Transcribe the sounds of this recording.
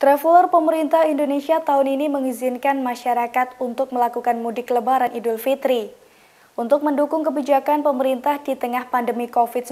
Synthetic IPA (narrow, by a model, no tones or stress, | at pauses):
t̪ɾafulɔrpəməɾint̪ahindonesiat̪aʊniniməŋizɪnkanmaʃaɾakat̪unt̪ʊk̚məlakukanmudɪkələbaɾanʔidʊlfit̪ɾi | ʔunt̪ʊk̚məndukʊŋkəbid͡ʒakanpəməɾint̪ahdit̪əŋahpandəmikofɪt̪̚s